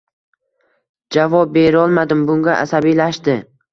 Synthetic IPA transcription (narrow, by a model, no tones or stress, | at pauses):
d͡ʒavɒp̚be̞ɾɒlˠmad̪ɪmbʊŋɡʲaʔa̰sabijlaʃd̪ɪ